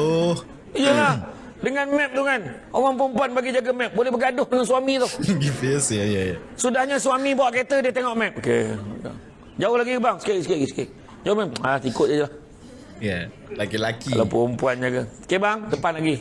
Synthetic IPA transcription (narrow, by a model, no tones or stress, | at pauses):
o | jəlah | dəŋanmɛp̚t̪uŋan | oŋaŋp̬əɔmpuanbaɡid͡ʒaɡamɛp̚bolɛhbaɡiadʊhdəŋansuwamit̪ʊɡifisjajajasudahɲasuamibawaʔket̪ədiət̪eŋɔʔmɛp̚ʔokḛba̰ŋ | d͡ʒaʊhlaɡikəbaŋskeiskeɡiskḛ | d͡ʒaomɛp̚at̪ikʊt̪̚ad͡ʒəlah | ja | lakilakia̰lapəompuand͡ʒaɡakebaŋdəpanlaɡi